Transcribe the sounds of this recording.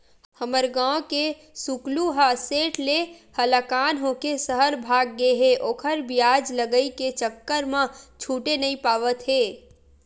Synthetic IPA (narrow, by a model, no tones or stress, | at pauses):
həməɾɡãwke | sukluɦaseːʈʰlehələkaːnɦokesəɦəɾbʱaːɡːeɦeʔoːkʰəɾbijaːd͡ʒləɡəiket͡ʃəkːəɾmãt͡ʃʰuːʈenəĩpaːʋət̪ɦeː